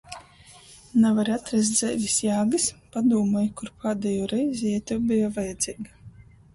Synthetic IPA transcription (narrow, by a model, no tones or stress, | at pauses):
navaɾat̪ɾɛs̬t̪zɛ̰vʲisjaːɡɨspad̪uːmɔjkuɾpʰaːd̪ɛjɔːɾɛjzʲiɛt̪ubɨjavajɛd̪z̥ʲiːɡa